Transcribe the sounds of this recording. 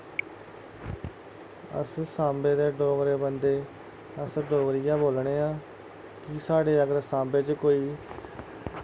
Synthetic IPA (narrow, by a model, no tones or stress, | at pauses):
ə̰ssãːmbeːd̪eːɖoːɡɾeːbənd̪eː | əsɖoːɡɾɪjãːboːlɳeːãː | kɪsaːɽeːəɡəɾsãːmbeːt͡ʃkoːiː